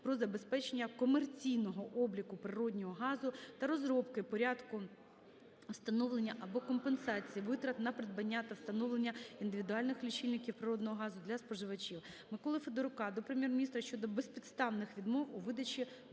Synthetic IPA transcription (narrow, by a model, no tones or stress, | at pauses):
pɾɔzɐbe̞spɛt͡ʃenʲːɐkɔmert͡sʲijnɔɦɔʔɔblʲikʊpɾɪɾɔdʲnʲɔɦɔɦɑzʊt̪ɐɾɔzɾɔpkɪpɔɾʲad̪kʊ | wst̪ɐnɔʋlˠenʲːɐʔɐbɔkɔmpensɑt͡sʲijiʋɪt̪ɾɐt̪nɐpɾed̪̚bɐnʲːat̪ɐwst̪ɐnɔʋlˠenʲːɐind̪ɪʋʲid̪ʊɑlʲnɪxlʲit͡ʃilʲnɪkʲiwpɾɪɾɔd̪nɔɦɔɦɑzʊd̪lʲɐspɔʒɪʋɐt͡ʃʲiw | mɪkɔlˠɪfed̪eɾʊkɑd̪ɔpɾemʲjɛrmʲnʲist̪ɾɐʃt͡ʃɔd̪ɔbespʲid̪st̪ɑʋnɪxʋʲid̪mɔwʊʋɪd̪ɐt͡ʃʲi